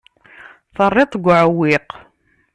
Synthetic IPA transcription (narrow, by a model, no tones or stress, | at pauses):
θərˤːet̪ˤɡʷʕəwːɪq